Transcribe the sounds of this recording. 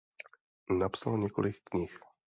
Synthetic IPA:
napsalɲɛko̰lɪkːɲɪx

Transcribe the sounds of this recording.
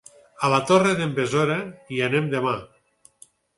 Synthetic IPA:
alat̪oreðembezoɾeianemd̪ema

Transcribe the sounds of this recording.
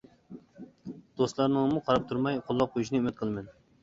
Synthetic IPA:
d̪̥ost̪lˠɑɾnɨŋmuqʰɑɾɑp̚t̪ʰuɾmɑjqʰʊlˠːɑq̚qʰːojuʃ̬inɪymɪt̪̚qʰəlˠmɪn

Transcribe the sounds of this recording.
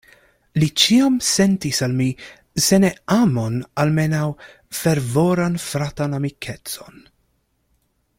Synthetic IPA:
lit͡ʃiamse̞ntisalmi | se̞neamonalme̞naw | feɾvoɾanfɾatanamikʰet͡so̞n

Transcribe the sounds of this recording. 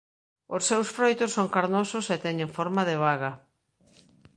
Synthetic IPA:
osːewsfɾojt̪osːoŋkaɾnososet̪ɛɲẽŋfoɾmaðɪβaɣɐ

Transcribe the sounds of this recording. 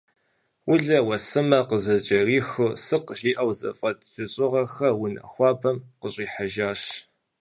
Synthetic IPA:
wʊɮɐwɐsɨmɐqəzɐt͡ʃʼɐriːxɨsɨqʒiːʔɐwzɐ̰fʼɐtʼʒ̥ɨɕʼʊʁɐxɐwʊnɐ̰xʷɑːbʰɐmqəɕʼiːħaʒaːɕ

